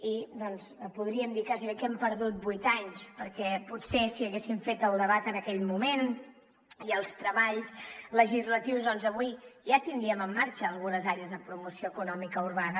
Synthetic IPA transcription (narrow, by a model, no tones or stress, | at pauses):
id̪ɔnspuð̞ɾiəmd̪ikaziβekɛmpəɾðut̪̚bujt̪aɲspəɾkɛputsesiəɣesiɱfet̪əlˠd̪əβat̪ənəkɛʎmumen | iəlˠst̪ɾəβaʎsləʒizlət̪iwzðɔnzəβuiʒat̪ind̪ɾiəməmːaɾt͡ʃəːlˠɣunəzaɾeəzðəpɾumusioəkunɔmikəuɾβanə